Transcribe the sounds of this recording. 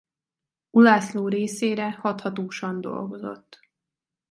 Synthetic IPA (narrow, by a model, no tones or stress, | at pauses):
ulaːsloːɾeːseːɾɛhɒt̪hɒt̪oːʃɒnd̪o̞̰lɡo̞zo̞̰t̪ː